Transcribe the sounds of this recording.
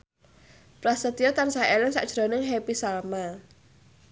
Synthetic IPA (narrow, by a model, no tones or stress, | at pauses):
pɾasət̪ijɔt̪ansaelɪnsa̰ʔʒ̥ɾonɪŋɦepisalma